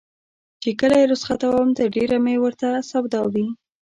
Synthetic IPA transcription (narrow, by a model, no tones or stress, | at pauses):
t͡ʃekəlajeɾʊsχat̪awawəmt̪əɾɖeɾamewəɾt̪asabd̪awi